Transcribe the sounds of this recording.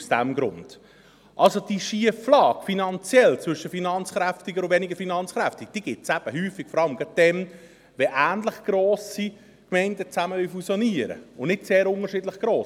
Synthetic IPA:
usd̥æmɡɾʊ̰nd̥ | ʔɑlsod̥iʃiəflɑːɡ̥finɑnt͡sjɛlt͡sʋɵʃəfinɑnt͡sχɾæftɪɡəɾʊvɛnɪɡəɾfinɑnt͡sχɾæftɪd̥iːɡ̥ɪtsæb̥əɦyːfɪɡ̥fɔɾɑlmɡ̥ɑd̥ɛm | ʋɛʔæːndləχɡ̥ɾoːsi | kmɛɪndət͡sæməʋyfusjɔniəɾə̰ʊnnɪtseːɾʊŋəɾʃɪdləχɡ̥ɾoːs

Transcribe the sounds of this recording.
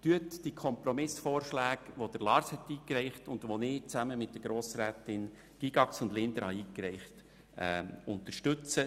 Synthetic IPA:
tyətd̥iəkʰχɔmpɾɔmɪsfoːrʃlæːɡʋod̥əɾlɑːɾshɛtiːkɾɛɪχtʊnd̪ʋonɪt͡sæməmɪt̚d̥əɡ̥ɾoːsɾæːtɪn | ɡ̥iɡɑksʊndlɪnd̪əɾhɑiːkɾɛɪχt | ɛ̰ʊnt̪əɾʃtʉt͡sə

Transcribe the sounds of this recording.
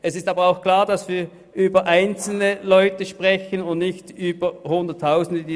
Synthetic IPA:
ɛsɪstaːbɐʁaʊxkl̥aːɐdasv̥iːɐ | ʔyːbɐʔaɪnt͡sl̩nəlɔʏtəʃpʁɛçənʊndnɪçtʔyːbəhʊndətʰːaʊsn̩dədiː

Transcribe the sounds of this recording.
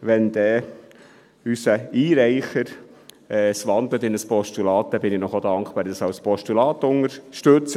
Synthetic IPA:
ʋɛnd̪ɛː | ysəiːɾæɪχəɾ | ɛsʋɑnd̪lət̪ɪnəspɔʃtulɑːt̚d̪̥ɛbɪnɪnɔχod̥̪ɑŋkb̥ɑːɾd̪ɑsɑʊspɔʃtulɑːt̪ʊŋəɾʃtɵt͡s

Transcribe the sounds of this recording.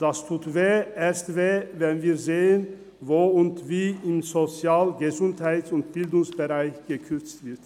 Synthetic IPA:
d̥astʰuːtveːʔeːɐstveːvɛnviːɐzeːən | voːʊntviːɪmzot͡sjaːlɡəzʊnthaɪtsʊnt̚b̥ɪldʊŋsb̥əʁaɪçɡ̥əkʰʏɐt͡stv̥ɪɐt

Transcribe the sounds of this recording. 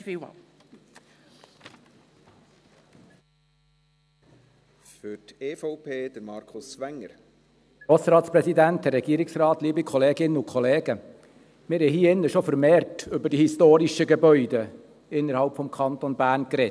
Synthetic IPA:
fḭ | fʏteːfɔʊpʰeːd̥̪əɾmɑɾkʰʊsʋæŋːəɾ | ɔsəɾɑːtspɾɛsidæntərɾːɛɡ̥iːəɾɪksrɑːt̪liːbikʰɔleːɡɪnəʊkʰɔleːɡ̥ə | mɪːɾhɛjɦiːɪnːəʃofəɾmeːrtʏbəd̥ihistoːɾiʃəɡɛbœʏdə | ɪnːəɾhɑlpfɔmkʰɑnt̪onbæːɾnkɾɛt

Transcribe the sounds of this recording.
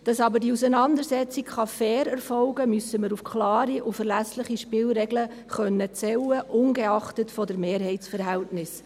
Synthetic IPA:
d̥ɑsɑbəɾdiusənɑndəɾsɛt͡sikχɑfɛːɾɛɾfɔlɡəmysəməɾufkʰlɑːɾiʔufəɾlæsləχiʃpɪlɾɛɡlə | χœnːət͡sɛwəʔʊnɡeɑχtətfɔdəɾmeːɾɦɛɪtsfəɾɦæltnɪs

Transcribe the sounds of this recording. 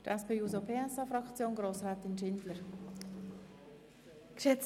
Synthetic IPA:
d̥əɾʔɛspeuːzopʰeːɛsɑfɾɑkt͡sjoːnɡɾoːsraːt̪ɪnʃɪndləɾ | kʃɛt͡s

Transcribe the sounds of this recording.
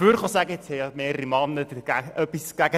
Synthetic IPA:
fyːɾχɑsæɡəɪt͡shɛjɑmeːɾəɾimɑnːəd̪əɡ̥æʔœpːisɡ̥æɡə

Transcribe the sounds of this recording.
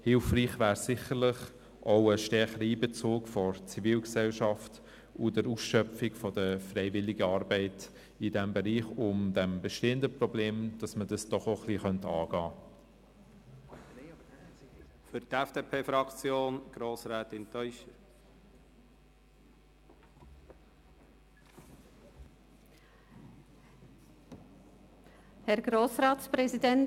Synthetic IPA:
hɪlfriːχvæːɾsɪχəɾlɪχ | ʔoʊəʃtɛχəɾəiːbet͡soːkfɔɾt͡siviːlksɛlʃɑft | ʊdəɾusʃœfɪɡfɔdəfɾeɪvɪlɪɡəɑːɾbɛɪt | ɪdɛmbeɾiːχʊmdɛmbeʃteːəndəprɔbleːmd̥ɑsmədɑsd̥ɔχoχliːχœntɑ̰ːɡ̥ɑː | fʏɾt̪ɛfd̥eːpʰeːfɾɑkt͡sjoːnɡ̥ɾoːsɾɛːt̪ɪnt̪ʰœjʃə | hɛɾɡɾoːsɾɑːtspɾɛsidɛn

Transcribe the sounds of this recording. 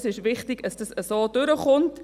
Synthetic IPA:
sɪʃʋɪχtɪɡ̥dɑsd̥ɑsəsoːd̥ʏɾəχʊnt

